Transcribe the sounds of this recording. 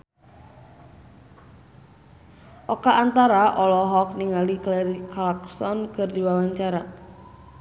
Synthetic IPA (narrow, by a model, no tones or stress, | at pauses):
ʔɔkaʔːnt̪aɾaʔɔlɔɦɔk̚niŋalikleɾikalaksɔnkərdiwawaɲt͡ʃaɾa